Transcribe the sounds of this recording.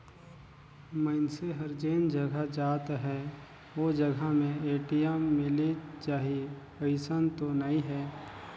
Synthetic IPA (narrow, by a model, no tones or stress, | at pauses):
məɪnseɦɐɾd͡ʒeːnd͡ʒɐɡʱad͡ʒaːt̪ɦɛː | ʋoːd͡ʒɐɡʱamẽeːʈijɛmːɪlit͡ʃaːɦiepəɪsənt̪onɐĩɦɛː